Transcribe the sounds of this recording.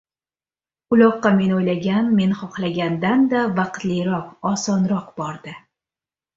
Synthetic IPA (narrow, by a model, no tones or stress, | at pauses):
ʊlɒqːɑme̞nojlaɡʲanme̞nχɒχlˠaɡʲand̪and̪avɑqt̪lɪjɾɒqɒsɒnɾɒqbɒɾd̪ɪ